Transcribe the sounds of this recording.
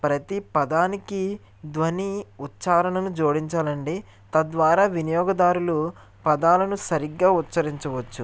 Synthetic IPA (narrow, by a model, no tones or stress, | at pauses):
pɾɐt̪ipɐd̪aːniki | d̪ʋɐniut̪t͡ʃaːɾɐɳɐnud͡ʒoːɽiɲt͡ʃaːlɐɳɖi | t̪ɐd̪ʋaːɾaːʋinijɔːɡɐd̪aːɾulu | pɐd̪aːlɐnusɐɾiɡːaːut̪ːsɐɾiɲt͡ʃɐʋɐt͡ʃːu